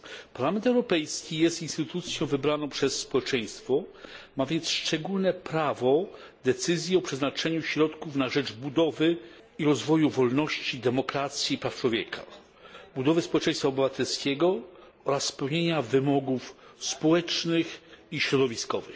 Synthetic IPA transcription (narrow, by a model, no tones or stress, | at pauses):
paɾlamɛnt̪ɛwɾɔpɛjskʲijɛst̪inst̪ɘt̪ut̪sʲjɔ̃w̃vɘbɾanɔ̃w̃pʂɛsːpɔwɛt͡ʂɛj̃st̪fɔmavʲjɛnt̪sʂt͡ʂɛɡulnɛpɾavɔ | d̪ɛt̪sɘzʲjiɔpʂɛznat͡ʂɛɲuɕɾɔt̪kufnaʐɛd͡ʐbud̪ɔvɘ | iɾɔzvɔjuvɔlnɔɕt͡ɕid̪ɛmɔkɾat̪sʲjipɾaft͡ʂwɔvʲjɛkʰa̰ | bud̪ɔvɘspɔwɛt͡ʂɛ̃j̃st̪faɔbɘvat̪ʰɛlskʲeɡɔ | ɔɾasːpɛwɲeɲavɘmɔɡufspɔwɛt͡ʂnɘxiɕɾɔd̪ɔvʲiskɔvɘx